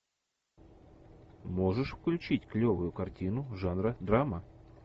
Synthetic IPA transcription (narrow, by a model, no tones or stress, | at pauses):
moʐɨʂfklʲʉt͡ɕitʲklʲovʊjʊkɐrtʲinʊʐanɾəd̪ramə